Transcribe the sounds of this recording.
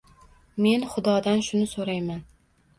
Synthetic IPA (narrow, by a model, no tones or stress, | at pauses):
me̞nχʊd̪ɒd̪anʃʊnɪsoɾajman